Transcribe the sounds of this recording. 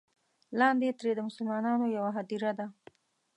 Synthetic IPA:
lɑnd̪et̪ɾed̪əmʊsəlmɑnɑnojawaɦad̪iɾad̪a

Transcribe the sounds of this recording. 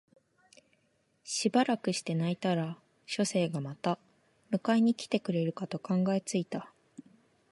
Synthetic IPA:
ɕibaɾakɯ̟ɕi̥t̪e̞nait̪aɾa | ɕo̞se̞ːɡamat̪a | mɯ̟kaiɲ̟ikʲi̥t̪e̞kɯ̟ɾe̞ɾɯ̟kat̪o̞kãŋɡae̞t͡sɨit̪a

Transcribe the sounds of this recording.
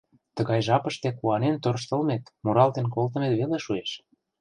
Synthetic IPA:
t̪əɣɑjʒɑpəʃt̪ekuɑnent̪ørʃ̬t̪ə̆lmet̪moɾɑlt̪enkolt̪ə̆met̪βeleʃueʃ

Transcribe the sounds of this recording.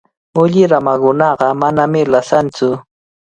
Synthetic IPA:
ʊʎɪɾamakʊnɑɢɑmanamɪlasant͡sʊ

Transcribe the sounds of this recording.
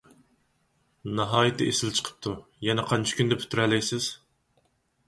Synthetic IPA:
nɑɦɑːjɨt̪ʰɪʔesɪlt͡ʃʰə̥qʰə̥p̚t̪ʰu | jɛnɛqʰɑnt͡ʃʰɪ̥kʲynd̪ɛpʰy̥t̪ʰɾɛlːɛjsɪz̥

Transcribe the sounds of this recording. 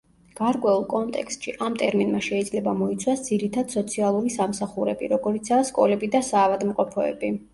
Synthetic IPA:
ɡ̥aɾkʼwɛulˠkʼɔnt̪ʼɛ̰kst̪ʃiʔamt̪ʼɛɾminmaʃɛid̪zlɛbamɔit̪sʰwasd̪ziɾit̪ʰad̪̥sɔt̪sʰialˠuɾisamsaχuɾɛbḭɾɔɡɔɾit̪sʰaːskʼɔlɛbid̪asaːvad̪mqʼɔpʰɔɛ̰bi

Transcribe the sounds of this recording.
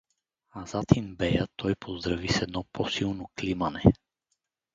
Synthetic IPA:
azat̪inbɛjət̪ʰɔjpʰozd̪ɾavisɛd̪nɔpʰosilˠnoklimanɛ

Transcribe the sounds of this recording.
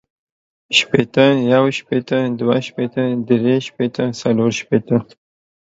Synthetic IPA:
ʃpet̪əjawʃpet̪əd̪waʃpet̪əd̪ɾeʃpet̪əsaloɾʃpet̪ə

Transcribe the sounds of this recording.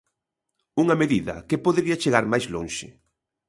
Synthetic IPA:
uŋɐmeðiðɐ̰kepoðeɾiɐt͡ʃeɣaɾmajzloŋʃɪ

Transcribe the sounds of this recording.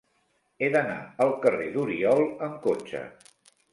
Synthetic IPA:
eðəna̰əlˠkəreðuɾiɔlˠəŋkot͡ʃə̰

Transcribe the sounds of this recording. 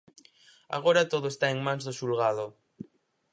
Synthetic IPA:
a̰ɣ̞oɾat̪oðoest̪aeŋmãŋzðoʃulɣaðo

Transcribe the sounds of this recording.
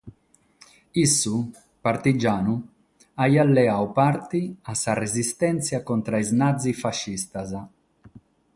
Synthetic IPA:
isːu | paɾt̪id͡ʒaːnu | ajalːɛawpaɾt̪iasːarezist̪ɛnt̪sjakɔnt̪ɾaiznad̪zːifaʃːist̪aza

